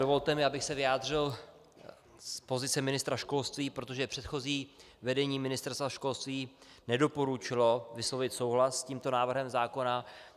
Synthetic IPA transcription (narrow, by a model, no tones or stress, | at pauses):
dovo̞lt̪ɛmɪabɪxsɛvɪaːd̪r̝ɪl | spo̞zɪt͡sɛmɪnɪst̪ɾaʃko̞lst̪viːpɾot̪o̞ʒɛpr̝̥ɛt̪xo̞ziː | vɛdɛɲiːmɪnɪst̪ɛɾst̪vaʃko̞lst̪viː | nɛdo̞po̞ɾut͡ʃɪlo̞vɪslo̞vɪt̪so̞wɦlasːciːmt̪o̞naːvr̩ɦɛmzaːko̞na